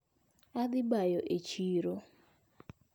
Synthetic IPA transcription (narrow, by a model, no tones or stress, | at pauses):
ad̪ɪbajoʔet͡ʃiɾo